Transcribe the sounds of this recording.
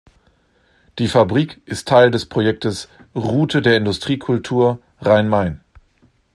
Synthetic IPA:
d̥iːfabʁiːkʔɪstʰːaɪldɛspʁ̥ojɛk̚təsʁuːtʰədeːɐɪndʊstʁ̥iːkʰʊltʰuːɐ | ʁaɪnmaɪn

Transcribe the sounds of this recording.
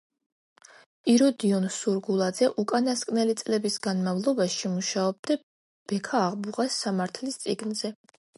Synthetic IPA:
iɾɔd̪iɔnsuɾɡulˠad̪zɛʔukʼanaskʼnɛlit̪sʼlɛbisɡ̥anmavlˠɔbaʃimuʃaɔb̚d̪a | b̥ɛkʰaːʁbuʁasːamaɾt̪ʰlist̪sʼiɡnzɛ

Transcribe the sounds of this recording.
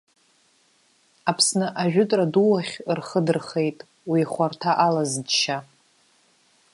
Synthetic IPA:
apʰsnɨʔaʒᶣʊtʼraduwaχʲrχədɨrχe̞jtʼ | wiχʷartʰaʔalazdʃa

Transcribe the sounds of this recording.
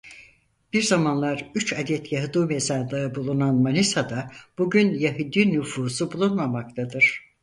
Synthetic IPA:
b̥iɾzamanlˠaɾyt͡ʃad̪ɛt̪jaɦɯd̪uːmezand̪aɯbulˠunanmanisad̪ab̥uɟynjaɦɯd̪inyfuːsubulˠunmamak̚t̪ʰad̪ɯɾ̥

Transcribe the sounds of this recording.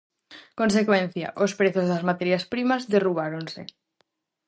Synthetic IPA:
konsekwẽn̟θja̰ʔospɾeθozðazmat̪eɾjaspɾimazðeruβ̞aɾonsḛ

